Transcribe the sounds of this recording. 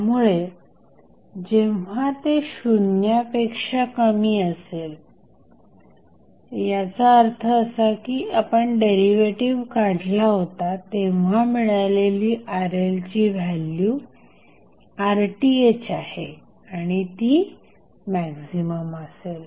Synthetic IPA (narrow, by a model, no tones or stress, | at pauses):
t̪amuɭe | d͡ʑeʋ̤at̪eɕunjapekʂakəmiːəsel | jat͡saəɾt̪ʰəːsakiːapəɳɖeɾiʋeʈiʋkadʱlaɦot̪at̪eʋʋ̤amiɭaleliːʔaɾelt͡ɕiːʋʱalːju | aɾʈiet͡ɕahe | aɽ̃it̪iː | mæksiməmasel